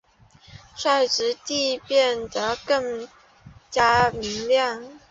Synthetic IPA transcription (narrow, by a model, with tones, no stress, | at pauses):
ʂwa˥˩ɪʈ͡ʂɻ̩˧˥t̪i˥˧pjɛ˥˩nd̪ə˩kɤ˥˩ŋ | t͡ɕja˥mi˧˥ŋljɑ˥˩ŋ